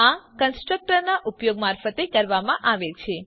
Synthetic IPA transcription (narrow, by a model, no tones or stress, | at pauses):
akənsʈɾək̚ʈəɾnaʔupjoɡmaɾfət̪ekəɾʋamãʔaʋet͡ʃʰe